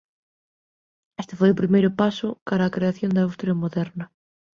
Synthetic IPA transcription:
ɛst̪ɪfojʊpɾimejɾʊpasʊkaɾɐːkɾeaθjond̪awst̪oɾjɐmoðɛɾnɐ

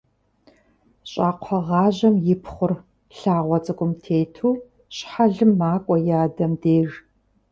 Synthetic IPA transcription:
ɕʼaːqʷʰɔʁɑːʑɐmjɪpʰχʷʊr | ɬaːʁʷɔt͡sʼɨkʷʼʊmtʰeːtʰuː | ɕħaɮɨmːaːkʷʼɔjaːdɐmdeːr

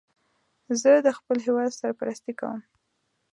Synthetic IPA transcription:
zəd̪əxpəlɦewɑd̪saɾpaɾast̪ika̰wə̰m

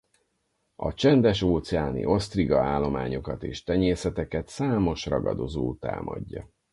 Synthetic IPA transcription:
ɒt͡ʃɛnd̪ɛʃoːt̪sɛaːnḭʔo̞st̪riɡɒaːlːo̞maːɲo̞kɒt̪eːʃt̪ɛɲeːsɛt̪ɛkɛt̪saːmo̞ʃrɒɡɒ̰d̪o̞zoːt̪a̰ːmʔɒ̰ɟːɒ

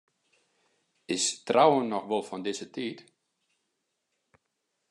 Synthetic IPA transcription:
ɪstrawənːɔxʋolˠfɔndɪzətʰiːt

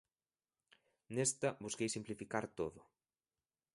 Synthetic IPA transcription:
nɛst̪ɐbuskejsĩmplifikaɾt̪oðʊ

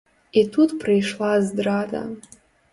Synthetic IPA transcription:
itʰutpʰrejʂlazdrada̰

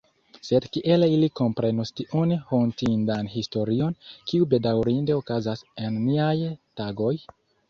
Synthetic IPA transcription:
se̞dkiʔe̞liliko̞mpɾe̞nustiʔunhontindanɦisto̞ɾio̞nkiube̞dawɾinde̞o̞kazase̞nːiajtaɡo̞j

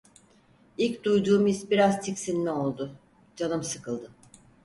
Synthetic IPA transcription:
ilʲcʲd̪̥ujd̪uːmizbiɾazt̪ʰicsinmɛo̞lˠd̪ʊ | d͡ʒanɯmsɯkʰɯlˠd̪ɯ

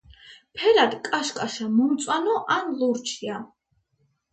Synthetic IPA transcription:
pʰɛlad̪kʼaʃkʼaʃamɔmt̪sʼwanɔʔanluɾt͡ʃʰia

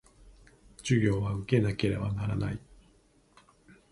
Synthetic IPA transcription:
d͡ʑɨɡʲo̞ːβaɯ̟ke̞nake̞ɾe̞̰banaɾa̰na̰i

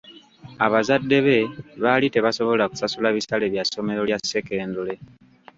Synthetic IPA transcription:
aβazadːe̞βe̞βalite̞βaso̞βo̞laku̥sasulaβisale̞ːβjasːo̞me̞ɾo̞ljasːe̞ke̞ːndole̞

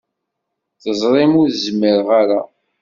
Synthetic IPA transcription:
θəzˤɾˤɪmʊɾzmːəɾʁaɾa

